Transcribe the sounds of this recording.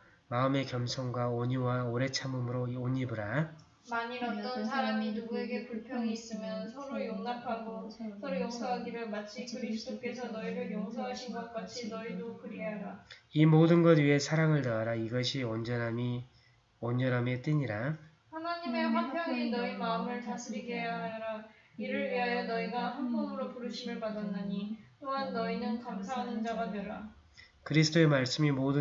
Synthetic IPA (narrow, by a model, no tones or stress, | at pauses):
maɯme̞kjʌmsʰʌŋɡwaoɲuwaoɾe̞t͡ɕʰamumɯɾooɲibɯɾa | maɲiɾaʌnsʰaɾaminuɡueɡepuɭpʰjʌŋiːs͈ɯmjʌnsʰʌɾojoŋnapʰaɡosʰʌɾɯjoŋsʰʌɦaɡiɾɯɭmat͡ɕʰiɯɾis͈okʰesʰʌnʌiɾɯɭjoŋsʰʌɦaɕʰiɡak͈at͡ɕʰinʌidokɯɾiaaimodɯnɡʌdɥiɦe̞sʰaɾaŋɯɭtaaɾaiɡʌɕʰiʌnd͡ʑʌnɦami | ʌnd͡ʑʌnɦamet͈ɯɲiɾa | hanaɲime̞ɸakpjʌŋinʌimaɯmɯɭt͡ɕasʰiɾiɡiejaɦajɾa | iɾɯɭɥiɦajʌnʌiɡahanbʌnɯɾopuɾɯɕʰimɯɭpadanːaɲit͈oɦanːʌinɯnkamsʰaɦanɯnd͡ʑaɡadweɾa | kɯɾisʰɯ̥t͈ʰoe̞maɭs͈ɯmimodɯ